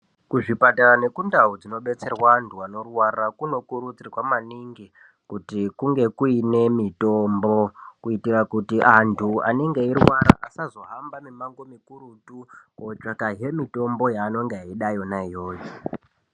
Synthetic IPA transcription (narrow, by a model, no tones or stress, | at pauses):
kuʐipataɾane̞kundaud͡zino̞ɓe̞t͡se̞rwantʰuano̞rwarakuno̞kuɾud͡zirwamaniŋɡi | kutikuŋɡe̞kuine̞mitombo̞kuitirakutiʔantʰua̰neŋɡe̞iɾwaɾa̰ʔa̰sazo̞ɦambamimaŋɡo̞mikuɾutukot͡ʂakaɦe̞mito̞mbo̞jaːno̞ŋɡeɦaiɗajo̞naijoːjo